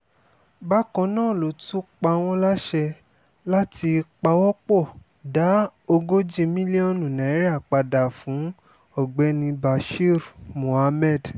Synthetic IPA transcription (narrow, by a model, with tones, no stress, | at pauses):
ba˦kɔ̃˧nã˦˨lo˨˦tu˦k͡pa˧w̃ɔ̃˧˦la˦ʃɛ˧ | la˦ti˧k͡pa˧wɔ˦k͡pɔ˦˨ | da˨˦o˧ɡo˦d͡ʒe˧mĩ˦li˦ɔ̃˦˨nũ˨nã˨i˨˦ɾa˦˨k͡pa˧da˨fũ˨˦ | ɔ˦˨ɡ͡bɛ˨˦nĩ˧ba˧ʃi˦ɾmõ˨a˧mɛ˦˨d